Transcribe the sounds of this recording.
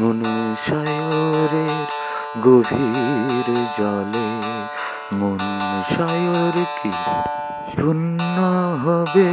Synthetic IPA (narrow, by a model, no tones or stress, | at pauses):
monuʃajoɾeɾ | ɡobʱiɾd͡ʑɔle | monuʃajoɾkʰi | ʃunːaɦɔbe